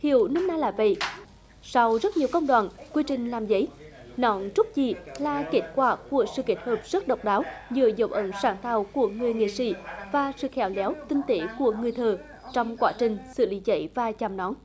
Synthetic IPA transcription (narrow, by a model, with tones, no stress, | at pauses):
hḭ˧˩˨əwnəː˧mnaː˧jlaː˧˨˩və̰˧˨j | sɔ˧wzə˦˥t̚ɲi˨˩əwkə˧wŋ͡mɗwaː˨˩nkwi˧t͡ɕï˨˩ŋ̟laː˨˩mzə˨˦j | nɔ˧˨˦nt͡ɕʊ˦˥t̚zi˨˩laː˨˩ke˦˥t̚kwaː˧˩ku˧˩əsɨ̰˧˨ke˦˥t̚həː˨˩p̚z̥ə˦˥t̚ɗə˨˩wk͡p̚ɗaː˨˦wɲɨ˧˩zə̰˧˩wŋ͡mʔə˧˦nsaː˧˩nt̪aː˧˩wku˧˩əŋɨ˨˩əjŋḛ˧˨sḭ˧˥vaː˨˩sɨ̰˧˨xɛ˧˩˦wlɛ˨˦wt̪ï˧ŋ̟t̪e˧˥ku˧˩əŋɨ˨˩əjt̪ʰəː˨˩ | t͡ɕɔ˧wŋ͡mkwaː˨˦t͡ɕï˨˩ŋ̟sɨ̰˧˨li˨˦zə̰˧˩jvaː˨˩t͡ɕaː˨˩mnɔ˨˦n